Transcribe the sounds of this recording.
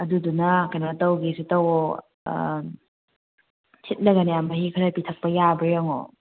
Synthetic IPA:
ɐdudunɐkɐjnatɐwɡisutɐw̰ | tʰit̚nɐɡɐnijambɐɦikʰɯɾapitʰɐk̚pɐjabɾijaŋo̰

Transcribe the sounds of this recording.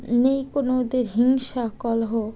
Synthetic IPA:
nejkonod̪eɾɦiŋʃakɔlɦo

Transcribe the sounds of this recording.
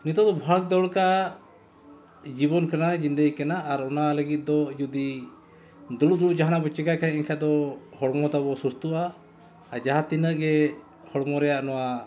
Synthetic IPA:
nit̪ɔd̪ɔbʱak̚d̪ɔɽka | d͡ʒibɔnkanad͡ʒind̪əjkanaːɾɔnaləɡit̪̚ˀd̪ɔd͡ʒud̪i | d̪uluʔd̪uɾuʔ̚d͡ʒaɦanabɔt͡ʃɛɡakʰaɲɛɲkʰad̪ɔhɔɽmɔd̪abɔsust̪uʔaː | d͡ʒaɦat̪inəʔɡɛ | hɔɽmɔɾɛjaʔnɔwa

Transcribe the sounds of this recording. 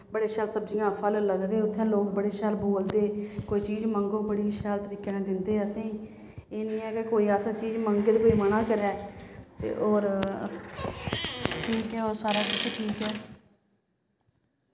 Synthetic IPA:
bəɽeːʃaːlsəbd͡ʒiːjãːpʰəlləɡd̪eːʊt̪ʰːẽːloːkbəɽeːʃaːlboːld̪eːkoːiːt͡ʃiːzməŋɡõːbəɽiːʃaːlt̪əɾiːkeːnẽːd̪ɪnd̪eːəsẽːiː | eːnĩːɛ̃ːkekoːiːaːsat͡ʃiːzməŋɡeːd̪koːiːmənãːkəɾɛːt̪ḛːʔɔːɾ | ʈʰiːkɛːoːɾsaːɾaːkɪt͡ʃʰʈʰiːkɛː

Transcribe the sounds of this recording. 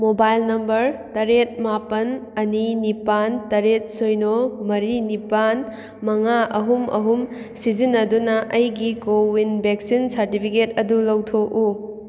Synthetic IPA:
mobajlnɐmbɐɾtɐɾet̚mapɐnɐninipantɐɾet̚sojnomɐɾinipan | mɐŋaʔɐɦumɐ̰ɦum | sid͡ʒinːɐdunɐʔɐjɡikowinbʱek̚sinsɐɾtipʰiketɐdulɐwtʰoku

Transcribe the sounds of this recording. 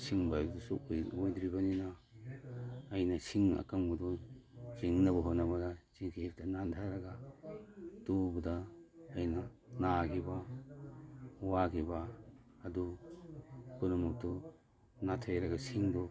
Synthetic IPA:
siŋbajdusuojd̪ɾibɐnina | jnɐsiŋɐ̰kaŋbudɔsiŋnɐbɐɦotnːɐbɐdasikʰep̚tɐnantʰaɾɐɡa | tubudaːjnɐnakʰiba | wakʰibaː | du | kunumuk̚tu | natʰajɾɐɡɐsiŋdɔ

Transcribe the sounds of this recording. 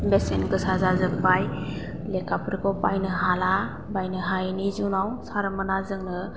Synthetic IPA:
besenɡɯsazazɯpaj | lekʰapʰɯɾkɔpajnɯɦala | bajnɯɦajnizunawsaɾmənazɯŋnɯ

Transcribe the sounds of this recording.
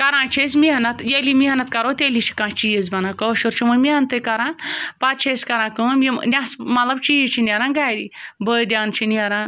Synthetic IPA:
kɐɾãːt͡ʃʰesmiɦɐnɐt̪jelimiɦɐnat̪kɐɾot̪elit͡ʃʰi̥kãːt͡ʃijezbɐnakɔʃuɾt͡ʃʰiməmiant̪əjkɐɾãːnpat͡ʃʰeskɐɾãːkɨminʲasmɐt̪lɐbt͡ʃijit͡ʃʰinʲɐɾãːnɡaːjɾibəjd̪ʲaːnt͡ʃʰiniɐɾãːn

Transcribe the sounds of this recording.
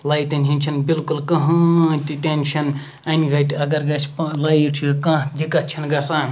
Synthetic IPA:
lɐjt̪ɐnʲɦinʲt͡ʃʰɐnbilkulkɐɦɐ̃t̪ʲiʈenʃɐn | ɐniɡɐjt̪ɐɡɐɾɡɐsʰʲplɐjʈʰiokãːd̪ʱikɐt͡ʃʰinɡɐsã

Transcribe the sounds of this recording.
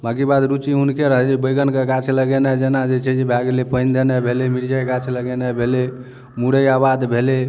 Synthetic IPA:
bãɡibad̪ɾut͡ʃiɦunkeɾəɦd͡ʒebəjɡənkeɡat͡ʃʰləɡenad͡ʒenad͡ʒet͡ʃʰɛd͡ʒebʱaɡlepəɪnd̪enabʱelemiɾd͡ʒaɡat͡ʃʰləɡenabʱele | muɽəjabad̪bʱele

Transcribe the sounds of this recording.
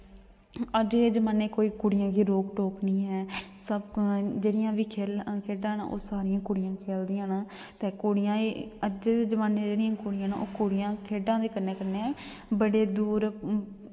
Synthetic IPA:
əd͡ʒeːd͡ʒəmãːneːkoːiːkʊɽɪjãːɡiːɾoːkʈoːknĩːɦɛːsəbd͡ʒeːɽɪjãːʋiːkʰeːlkʰeːɖãːna̰ːʔo̰ːsaːɾɪjãːkʊɽɪjãːkʰeːld̪ijãːnaː | t̪eːkoːɽɪjãːeəd͡ʒeːd͡ʒəmaːneːd͡ʒeːɽɪjãːkʊɽɪjãːnaːo̰ːkʊɽɪjãːkʰeːɖãːd̪eːkəneːkəneː | bəɽeːd̪uːɾ

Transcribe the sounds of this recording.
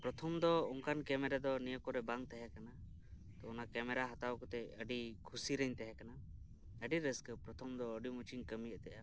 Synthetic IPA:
pɾɔt̪ʰɔmd̪ɔɔŋkankɛmɛɾad̪ɔnijəkɔɾɛbaŋt̪ɛɦɛkana | t̪ɔɔnakɛmɛɾaɦat̪awkɔt̪ɛəɖikʰusiɾəɲt̪ɛɦɛkana | əɖiɾəskəpɾɔt̪ʰɔmd̪ɔəɖimut͡ʃiɲkəmijəʔt̪ɛʔa

